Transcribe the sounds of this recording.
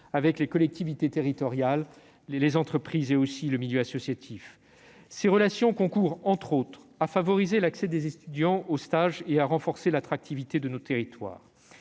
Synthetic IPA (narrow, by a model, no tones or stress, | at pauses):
avɛklekɔlɛk̚t̪ivit̪et̪eʁit̪ɔʁjal | lezɑ̃t̪χəpχizeosiləmiljøasɔsjat̪ʰif | seʁəlasjɔ̃kɔ̃kuʁɑ̃t̪χot̪χafavɔʁizelaksɛd̪ezet̪yd̪jɑ̃ost̪aʒeaʁɑ̃fɔʁselat̪χak̚t̪ʰivit̪ed̪ənot̪eʁit̪wa̰ːʁ